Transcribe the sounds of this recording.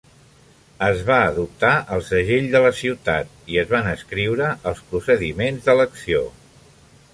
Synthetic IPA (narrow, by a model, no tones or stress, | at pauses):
əzβaəðup̚t̪aʔəlˠsəʒeʎd̪ələsiwt̪a̰t̪̚iəzβanəskɾiwɾəʔəlˠspɾusəðimenzðələksio̰